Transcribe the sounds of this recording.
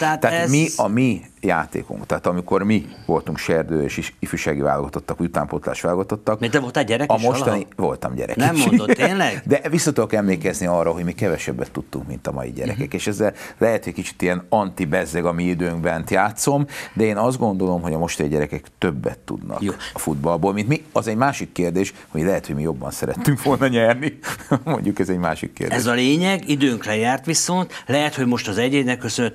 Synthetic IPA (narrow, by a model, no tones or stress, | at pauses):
t̪ɛat̪ɛamiɒmijaːt̪ḛːkṵŋkt̪aːt̪ɒmiko̞rmiʋo̞lt̪uŋkʃɛrd̪øːḛːʃiifyːʃaːɡiva̰ːloɡɒt̪o̞t̪ːɒkjut̪a̰ːmpot̪la̰ːʃʋaːloɡɒt̪o̞t̪ːɒkd̪ɛvolt̪ɛɟɛɾɛkɒmo̞ʃɔnivo̞̰lt̪ɒ̰mɟɛ̰ɾɛ̰nk̪mond̪nlɛɡd̪ɛvisːɒt̪ud̪okɛmleːkɛzniɒrːɒɦo̞ɟmikɛvɛʃɛbːɛt̪ːut̪ːuŋkmḭnt̪ɒmɒ̰jḭɟɛ̰ɾɛ̰ɛkeːʃɛzːɛllʔɛɦɛt̪hoc̚kit͡ʃi̥t̪ijɛnɒnt̪ibɛzɛɡɒmiid̪øːŋɡbɛnt̪jaːt̪so̞md̪ɛeːnɒzd̪ɡo̞nd̪o̞lo̞mɦo̞ɟɒmo̞ʃt̪ɛjiɟɛɾɛkɛkt̪øbːɛ̰t̪ːṵd̪nɒ̰jkːɒfud̪bɒlboːlmint̪miɒzɛɟmaːʃikːeːrd̪eːʃ | ɒmilɛɦɛt̪ho̞ɟmijo̞bːɒ̰nsɛɾɛ̰t̪ːyŋkʋo̞lnɒɲɛrnimo̞̰ɲɟukɛzɛɟma̰ːʃḭkːḛːrdɛ̰zɒleːɲɛɡid̪øːŋklɛjaːrt̪ʋiso̞nt̪lɛɦɛt̪ho̞ɟmo̞ʃt̪ɒzɛɟeːd̪nɛkːøsønøt̪